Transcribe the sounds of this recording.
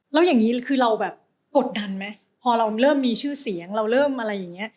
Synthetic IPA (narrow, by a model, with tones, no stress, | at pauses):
lɛː˦˥wjaː˨˩ŋːiː˦˥kʰɯː˧ɾa˧wbɛː˨˩p̚ | ko˨˩t̪̚da˧nma˦˥ | pʰɔː˧ɾa˧wɾɤː˥˩mːiː˧t͡ɕʰɯː˥˩si˨˩˦əŋɾa˧wɾɤː˥˩mʔa˧ɾa˧jːaː˨˩ŋːi˦˥ɐ